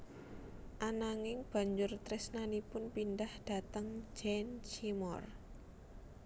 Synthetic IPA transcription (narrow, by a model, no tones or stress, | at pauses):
ʔanaŋɪŋb̥ä̤ɲd͡ʒʊrt̪ɾɪsnanipʊnpindahd̥a̤t̪əŋd͡ʒɛnt͡ʃimɔr